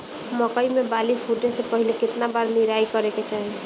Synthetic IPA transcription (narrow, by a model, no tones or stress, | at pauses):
mɔkəimebalipʰuʈesepəɦilekɪt̪nabaɾniɾaikəɾeket͡ʃaɦi